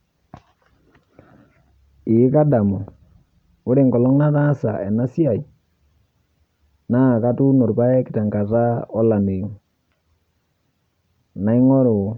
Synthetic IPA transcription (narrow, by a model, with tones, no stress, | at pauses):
ɪ˨˦ka˦da˨mo˨ | ʊ˦ɾe˨ŋɡɔ˨lɔ˦ŋna˦ta˦sa̰˨ɛ˨na˦si˦a˨j | na˦˨ka˦tu˦no˨ɾpa˦ɛ˦kɪ˨ta˨ŋɡa˨ta˦ɔ˦la˨ne˨ŋ | na˨i˦ŋɔ˦ɾʊ˨